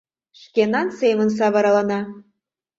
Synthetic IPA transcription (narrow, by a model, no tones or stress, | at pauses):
ʃkʲenɑnseməns̬ɑβɑɾɑlɑnɑ